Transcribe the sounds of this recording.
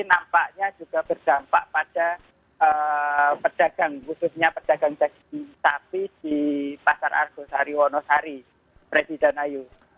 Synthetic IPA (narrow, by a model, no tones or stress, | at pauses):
inampaʔɲḁd͡ʒ̥uɡ̥a̤b̥ərd̪̥ampaʔpad̥a | əpəd̥a̤ɡ̥aŋkususɲapəd̥aɡ̥aŋd͡ʒ̥aɡ | isapid̥ipasara̰rɡ̥osaɾiwɔnɔsaɾi | pɾesid̥ɛnaju